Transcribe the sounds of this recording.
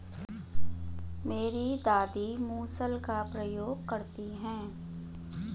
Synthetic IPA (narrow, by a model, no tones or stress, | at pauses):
meːɾid̪aːd̪imuːsəlkapɾɐjoːɡkɐɾt̪iɦɛ̃ː